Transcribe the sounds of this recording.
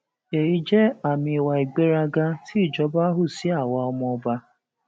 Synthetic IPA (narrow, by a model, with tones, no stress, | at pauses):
e˨i˦d͡ʒe˦a˨mɪ˨wa˨i˨ɡ͡be˦ɾa˦ɡa˦ti˦˨d͡ʒɔ˦ba˦ɦʊ˦si˦a˨wa˨˦ɔ˦m˦ɔ˦ba˦